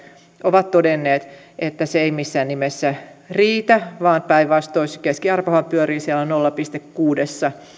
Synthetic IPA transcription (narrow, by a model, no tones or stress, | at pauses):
ʔoʋɑt̪t̪odenːeːt̪ | et̪ːæseeimisːæːnnimesːæriːt̪æʋɑːnpæiʋʋɑst̪ːoisikeskiɑrpohɑmpyøɾiːsiælːonolːɑpist̪ekːuːdesːɑ